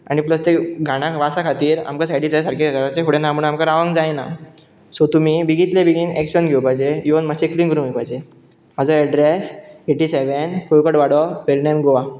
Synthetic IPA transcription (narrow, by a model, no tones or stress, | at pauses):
a̰nipləst̪eɡʱaɽ̃ãʋasakʰat̪iːɾa̰mkasajɽiːd͡zajsaɾkʰekəɾat͡ɕefoɽenamuɳamkəɾaʋãŋɡd͡zajna̰ | sot̪umibiɡit̪lebiɡinekɕənɡʱewpajd͡ʑejonməɕekliːnkəɾũjpajd͡ʑe | məd͡zəɾɛɖɾeseʈiːseʋenkojkəʈʋaɽɔpeɾnemɡoʋa